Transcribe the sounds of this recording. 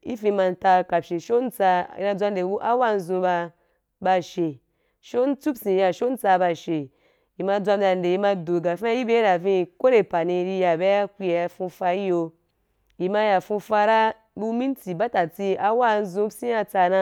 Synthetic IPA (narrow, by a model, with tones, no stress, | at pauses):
i˦fĩ˧ma˧n̩˨ta˧ka˨pʃe˨ʃo˦n̩˦t͡sa˧ḭ˧na˧d͡zʷa˧n˦e˨bu˦ʔa˦wa˦˧n̩˦zũ˧ba˧ | ba˧ʃe˨ | ʃo˦n̩˦t͡su˦psĩ˨˧ja˨ʃo˦n̩˦t͡sa˧ba˧ʃe˨ | ji˨ma˧d͡zʷa˧m˦da˨n˨de˨ji˧ma˧do˨ɡa˨fã˦ji˦be˦ɾa˨vĩ˧˨ko˦ɾe˨pa˨nĩ˧ɾi˧ja˨be˦a˦kʷi˧ja˧a˧fũ˧fa˧i˦jo˧ | ji˨ma˧ja˨fũ˧fa˧ɾa˦ | bu˧mĩ˦n˦ti˨ba˦ta˨t͡si˧a˧wa˦˧n̩˦zũ˧psĩ˦ja˧t͡sa˧na˧